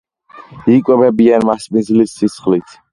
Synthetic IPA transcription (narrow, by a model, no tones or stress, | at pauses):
ikʼwɛbɛbianmaspʼinzlisːisχlit̪ʰ